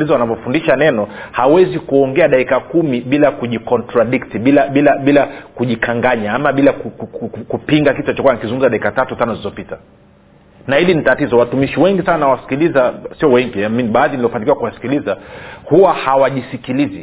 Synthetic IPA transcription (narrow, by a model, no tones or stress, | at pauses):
lizɔwanavɔfundiʃanɛnɔhawɛzikuɔŋɡɛaɗaikakumiɓilakuʄikɔntɾaɗiktiɓilaɓilaɓilakuʄikʰaŋɡaɲaamaɓilakukukukkupiŋɡakitɔat͡ʃɔkuwanikizuŋɡumzaɗaikatatutanɔzizɔpita | nahilinitatizɔwatumiʃiwɛŋɡisannawasi̥kilizasiɔwɛŋɡiɛminiɓaaðiniliɔfanikiwakuwasi̥kilizahuwahawaʄisikilizi